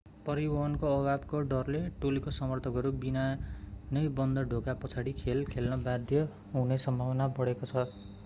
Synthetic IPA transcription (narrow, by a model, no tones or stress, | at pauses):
pʌɾibʱʌɦʌnkoʌbʱabkoɖʌrleʈolikosʌmʌrt̪ʰʌkʌɾubinanʌjbʌnd̪ʌɖʱokapʌt͡sʰaɽikʰelkʰelnʌbad̪ʱjʌ | ɦunesʌmbʱawʌnabʌɽekot͡sʰʌ